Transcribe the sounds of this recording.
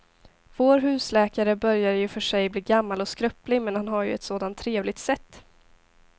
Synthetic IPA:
voːɾɦʉ̟ːslɛːkaɾəbœɾjaɾjɵfœʂɛjbliːɡamːalɔskɾœplɪmɛnhanɦaɾjɵ̰ɛt̪soːd̪ant̪ʰːɾeːvlɪɡ̚t̪sɛt̪ː

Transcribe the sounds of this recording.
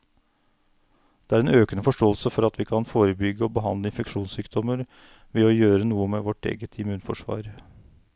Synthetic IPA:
d̪̥ɛæːɾɛːnøːkənəfɔʂʈoːəlsəfɔɾɑt̪ʰʋiːkʰɑnfoːɾəbʏɡːəoːbəɦɑnd̪ləɪnfɛkʂuːnsyːkd̪ɔməɾ | ʋeːɔjøːɾənuːəmeʋɔʈḛːɡət̪ʰɪmʉːnfɔʂʋɑ̰ːɾ

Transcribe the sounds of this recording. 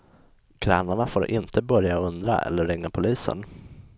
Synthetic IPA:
kʰɾæːnaɳafoːɾʔɪnt̪əbœɾjaɵnd̪ɾa̰ʔɛ̰lːəɾɛŋnapʰʊliːsə̰n

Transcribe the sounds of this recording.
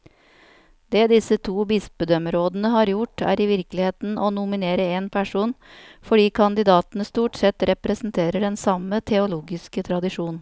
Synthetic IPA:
d̪̥eːd̪ɪsət̪ʰuːbɪsbəd̪œməɾoːd̪nəɦɑːɾjʊʈæ̰ːɾɪʋɪɾklɪheːt̪nʔoːnʊmɪneːɾəeːnpʰæʂuːnfɔɖiːkʰɑnd̪ɪd̪ɑːt̪nəst̪uːʈsɛt̪ɾɛpɾɛsn̩t̪ʰeːɾəɖɛnsɑmət̪ʰɛʊluːɡɪskət̪ʰɾɑd̪ɪʂuːn

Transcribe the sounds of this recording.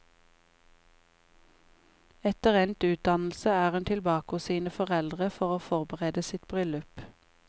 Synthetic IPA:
ɛt̪əʁɛnt̪ʉːt̪̚d̪ɑnl̩səæːʁʉnt̪ʰɪlbɑːkoːsiːnəfɔʁɛld̪ʁəfɔʁoːfɔʁbəʁeːd̪əsɪt̪bʁʏlʉp

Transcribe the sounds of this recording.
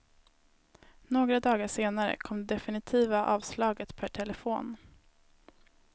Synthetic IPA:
noːɡɾad̪ɑːɡaʂeːnaɾə̰kʰɔmd̪ɛd̪ɛfɪnɪt̪ʰiːvaʔɑːvslɑːɡət̪pʰæʈʰɛləfoːn

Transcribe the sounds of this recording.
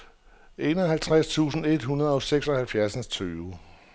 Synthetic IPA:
ʔe̝ːnɒɦælt͡sʰʁast͡sʰṵːsn̩e̝d̥hunɐð̞̩ˠɒ̽seɡ̥sɒ̽hælfjæɐsən̩st͡sʰyːʊ

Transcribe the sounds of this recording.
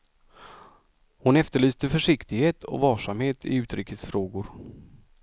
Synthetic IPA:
hʊnɛft̪əɭyːst̪əfœʂɪkt̪ɪɡheːt̪ʰɔ̰vɑːʂamheːt̪ʰɪ̰ʉ̟ːt̪ɾiːkəsfɾoːɡʊɾ

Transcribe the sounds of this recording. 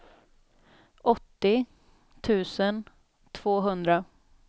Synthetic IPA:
ʔɔt̪ːɪ | t̪ʰʉ̟ːsən | t̪ʰv̥oːɦɵnd̪ɾa

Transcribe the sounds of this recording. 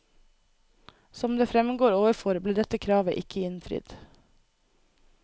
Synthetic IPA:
sɔmd̪eːfɾɛmɡoːɾoːʋəɾfɔɾbliːɖɛt̪əkʰɾɑːʋəʔɪkʰəɪnfɾɪ̰d̪̥

